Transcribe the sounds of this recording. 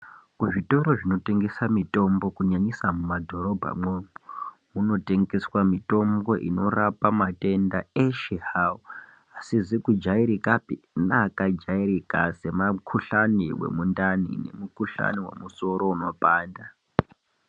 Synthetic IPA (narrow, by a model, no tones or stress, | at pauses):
kuʐito̞ɾo̞ʐino̞te̞ŋɡe̞samito̞mbo̞kuɲaɲisamumadʱo̞ɾo̞bʱa̰mwepo | muno̞te̞ŋɡe̞swamito̞mbo̞ʔḭno̞rapamate̞ndaeʃehao | asizikud͡ʒaiɾikapinakad͡ʒairikase̞makʰuɬaniwḛmundanḭne̞̰mukuɬa̰niwe̞̰muso̞ɾo̞uno̞paːnda